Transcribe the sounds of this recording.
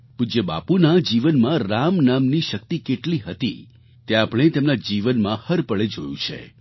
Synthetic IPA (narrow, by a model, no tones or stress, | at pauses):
pud͡ʒeba̰punad͡ʒiʋənmãɾamnamniʃək̚t̪ikeʈliɦət̪ḭ | t̪eapəɽ̃et̪emnad͡ʒiʋənmãhəɾpəɭed͡ʒo̰jṵ̃t͡ʃʰḛ